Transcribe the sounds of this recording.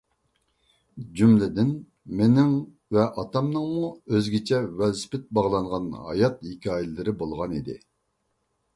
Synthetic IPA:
d͡ʒymlɪd̪ɪn | menɪŋ | vɛʔɑt̪ɑmnɨŋmuøzɡʲit͡ʃʰɛwɛlspɪt̪̚bɑʁlˠɑɴʁɑnɦɑ̰jɑt̪̚hikʲʰɑːjɪlɪɾɪbolˠʁɑnid̪ɪ̰

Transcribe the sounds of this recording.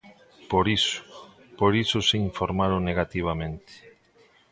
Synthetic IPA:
poɾiso̥poɾisoseiɱfoɾmaɾoneɣ̞at̪iβ̞amẽnt̪e̥

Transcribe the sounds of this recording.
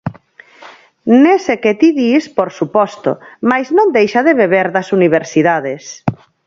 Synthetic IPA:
neseket̪iðispoɾsupɔst̪o̰majznõnd̪ejʃaðeβeβ̞eɾðɐsuniβ̞eɾsiðaðes

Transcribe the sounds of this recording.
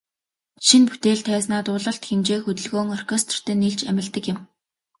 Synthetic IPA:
ʃinput̪eːɮt̪ʰæːsnaːt̪ʊːɮə̆ɬt̪xemt͡ɕeːxɵt̪ɵ̆ɮɣoːŋɔr̥kʰest̪̆r̥t̪ʰeːnːiɮt͡ɕæmʲɪ̆ɮt̪ə̆kjɪ̆m

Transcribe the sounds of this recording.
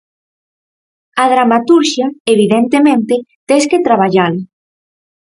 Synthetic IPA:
að̞ɾamat̪uɾʃjaeβ̞iðent̪emẽnt̪ɪt̪esket̪ɾaβ̞aʎal

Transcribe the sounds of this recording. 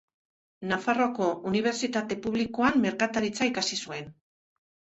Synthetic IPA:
nafaro̞ako̞ʔuniβ̞e̞ɾt͡sit̪at̪e̞puβliko̞amme̞ɾkat̪aɾit͡saikasisue̞n

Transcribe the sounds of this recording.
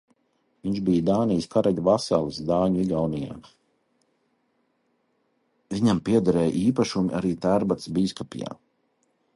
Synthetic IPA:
viɲʃbijd̪aːnijskaɾɛʎʲuvasalˠisd̪aːɲuiɡawnija̰ː | viɲampiɛd̪aɾɛːjʔiːpaʃumḭʔa̰ɾiːt̪æɾbat̪sbiːskɔpʲḭja̰ː

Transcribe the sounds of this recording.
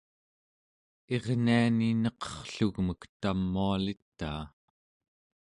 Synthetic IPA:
e̞ʁnianinʌqʌ̥χɬuɣməkt̪amːualit̪ːa̰ː

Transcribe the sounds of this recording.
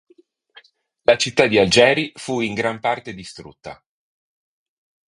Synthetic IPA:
lat͡ʃit̪ːad̪iald͡ʒɛːɾifuiŋɡɾampart̪ed̪ist̪ɾṵt̪ːa̰

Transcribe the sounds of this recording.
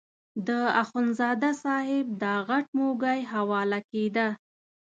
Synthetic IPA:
d̪əaxʊnzɑd̪asɑhɪb̚d̪ɑɣaʈ̚moɡajɦawɑlaked̪a

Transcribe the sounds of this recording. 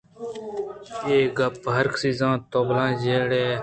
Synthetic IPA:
eːɡɐpːɦɐɾksizãːt̪oːblãːzeːɽeː

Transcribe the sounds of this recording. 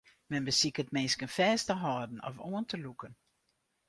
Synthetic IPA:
mɛnbəsikətmeːskənfɛːstəɦɔːdn̩ɔ̰foəntʰəlukən

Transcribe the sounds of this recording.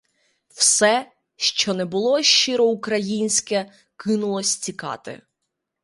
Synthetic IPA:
wsɛ | ʃt͡ʃɔnɛbʊlˠɔʃt͡ʃɪɾɔukɾɐjinʲsʲkɛ | kɪnʊlˠɔsʲt͡sʲikɑ̰t̪ɪ̰

